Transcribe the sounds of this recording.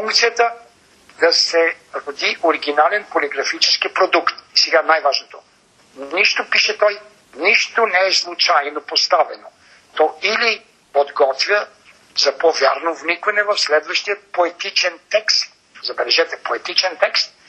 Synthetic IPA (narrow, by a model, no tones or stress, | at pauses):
fuŋkt̪sijət̪ə | d̪̥ɐsɛ | ɾod̪iʔoɾiɡʲinalɛnpolʲiɡɾɐfit͡ʃɛskipɾod̪ukt̪sɛɡanajvaʒnot̪o | niʃt̪opiʃɛt̪ɔj | niʃt̪onɛɛslˠut͡ʃajnopost̪avɛno | t̪ɔili | pod̪ɡɔt̪vʲjə | zɐpovʲja̰ɾnovnikvɐnɛvɐfslɛd̪vɐʃt̪ijət̪̚poɛt̪it͡ʃɛnt̪ɛkst̪̚ | zɐbɛlɛʒɛt̪ɛpoɛt̪it͡ʃɛnt̪ɛkst̪̚